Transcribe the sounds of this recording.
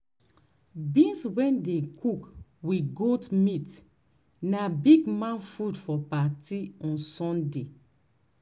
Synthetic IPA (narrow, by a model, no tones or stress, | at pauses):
bĩnswɛ̃ndekʰukwiɡotmit | nabiɡmãnfudfɔpatiɔ̃nsɔ̃nde